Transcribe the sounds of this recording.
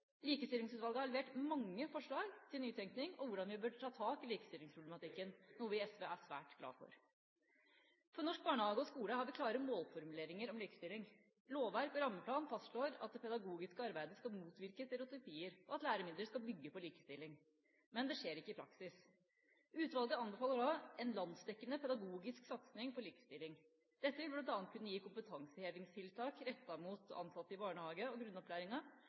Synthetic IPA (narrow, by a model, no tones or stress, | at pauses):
liːkəst̪ɪlɪŋsʉːt̪ʋɑlɡəhɑɾɭɛʋeːʈmɑŋːəfɔʂɭɑːɡt̪ʰɪlnyːt̪ʰɛŋknɪŋɔʋʊɖɑnʋɪbøːɖʈʰɑːt̪ʰɑːkɪliːkə̥st̪ɪlɪŋspʰɾʊb̪lmɑt̪ɪkːənnuːəʋɪɛsʋɛæʂʋæ̰ːʈɡlɑ̰ːfɔ̰ɾ | fɾɔnɔʂk̚bɑːɳəhɑːɡʊɔskuːləhɑɾʋɪkʰlɑːɾəmoːlfɔɾmʉleːɾɪŋəɾɔmliːkə̥st̪ɪlːɪŋ | loːʋʋæɾkɔɾɑmːəpʰlɑːnfɑst̪ʂɭoːɾɑt̪̚d̪ɛpʰɛd̪ɑɡuːɡɪskəɑɾbæɪd̪əskɑlmuːt̪ʋɪɾkəst̪ɛɾʊt̪ʊpiːəɾɔɑt̪læːɾəmɪnd̪ɾəʂkɑlbʏɡːəpɔliːkəst̪ɪlːɪŋ | mɛnd̪ɛʂeːɾɪkːəɪpʰɾɑksɪs | ʉːt̪ʋɑlˠɡəɑnbəfɑːlːəɖɑɛnlɑnd̪sd̪ɛkːənəpʰɛd̪ɑɡuːɡɪsksɑt̪snɪŋpʰɔliːkə̥st̪ɪlːɪŋ | d̪̥ɛt̪ːəʋɪlblɑnt̪ɑːnkʰʉnːəjiːkʰʊmpət̪ʰɑŋsəheːʋɪŋst̪ʰɪlt̪ʰɑːkɾɛt̪ːɑmuːt̪ɑ̰nsɑt̪ːəɪbɑːɳəhɑːɡəɔɡɾʉnːɔpʰlæːɾɪŋɑ